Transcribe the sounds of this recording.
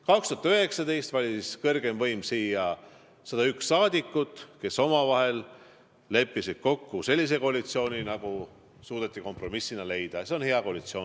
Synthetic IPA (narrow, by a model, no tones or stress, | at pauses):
kɑkst̪uɑt̪øɦe̞ksɑd̪e̞jst̪vɑlʲiskɤ̞rɡ̥e̞mvɤjmsiːjɑ | sɑd̪ɑyksːɑːd̪ʲikːˑut̪ːˑke̞so̞mɑvɑɦe̞lː | e̞pːisid̪̥ko̞kːuse̞lʲːis̬e̞ko̞ɑlit̪sio̞ːnʲinɑɡ̥u | suːd̪̥et̪ːˑiko̞mpro̞misːinɑle̞jd̪̥ɑse̞o̞nhe̞ɑko̞lit̪sio̞